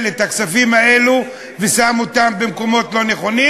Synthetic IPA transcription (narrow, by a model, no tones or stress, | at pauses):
let̪aksafimae̞lu | vesamo̞t̪ambe̞mko̞mo̞tlo̞ne̞χo̞ni